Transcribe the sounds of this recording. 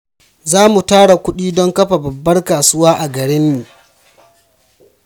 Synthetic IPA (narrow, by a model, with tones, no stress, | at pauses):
zaː˦mu˨taː˦ɽa˨kʷʊ˦ɗiː˦dɔ˦ŋkɐ˦ɸa˨bɐ˨bːɐ˦rkaː˨sʊ˦waː˦ʔa˨ɡɐ˨ɽɪ˦mːiː˨